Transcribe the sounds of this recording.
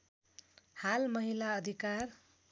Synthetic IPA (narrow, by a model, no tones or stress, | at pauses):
halmʌɦilaʌd̪ʱikar